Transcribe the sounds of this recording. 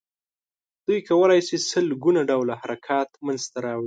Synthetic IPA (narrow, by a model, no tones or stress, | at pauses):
d̪̥ujkawəlɑjsisəlɡunaɖawlahaɾakʰɑt̪manzt̪aɾɑwɽi